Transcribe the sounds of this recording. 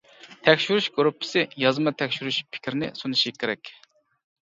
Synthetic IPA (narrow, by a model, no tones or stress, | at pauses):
t̪ʰɛkʲʃyɾuʃɡoɾupʰːɪ̥sɪjɑzmɑt̪ʰɛkʲʃyɾuʃpʰɪ̥kʲʰɾɪnɪ̰sunɨʃikʲʰːeɾɛkʲ